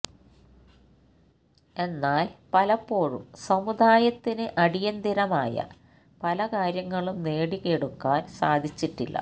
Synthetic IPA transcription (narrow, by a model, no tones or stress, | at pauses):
e̞nːaːlpɐlɐpːo̞ːɻṵmsɐmud̪ʱaːjɐt̪ːinɨʔɐɽijɐnd̪iɾɐmaːjɐ̰ | pɐlɐkaːɾjɐŋːɐɭumne̞ːɽikeɽukːaːnsaːd̪ʱit͡ɕːiʈːilːɐ̰